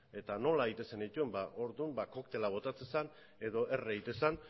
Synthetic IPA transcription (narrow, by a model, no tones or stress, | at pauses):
e̞t̪ano̞laeit̪e̞se̞nit̪ue̞mbaʔo̞ɾðumbako̞kt̪e̞laβ̞o̞t̪at͡sesan | e̞ðo̞ʔe̞reɣit̪e̞san